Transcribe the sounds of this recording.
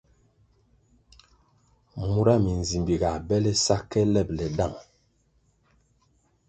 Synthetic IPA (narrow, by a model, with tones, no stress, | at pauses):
mu˦ɾa˦mi˨n˨zi˨mbi˨ɡa˨bɛ˦lɛ˦sa˦kːɛ˦lɛ˦˨p̚lɛ˨da˦˨ŋ